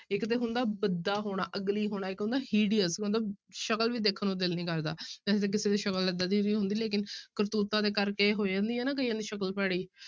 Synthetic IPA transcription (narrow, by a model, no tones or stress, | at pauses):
ɪkt̪eːɦʊnd̪aːbəd̪aːɦoːɽ̃a̰ːʔəɡliːɦoːɽ̃aːɪkɦʊ̃nd̪aːɦiːɖiəskːnd̪aʃəkəlʋiːd̪eːkʰnõːd̪ɪlnĩːkəɾd̪a̰ːɛːt̪eːkɪseːd̪eːʃəkələd̪aːd̪iːɾiːɦʊ̃nd̪iːleːk̬ɪnkəɾt̪uːt̪ãːd̪eːkəɾkeːɦoːid͡ʒãːnd̪iːɛːnaːk̬əiːãːnd̪iːʃəkəlpɛːɽiː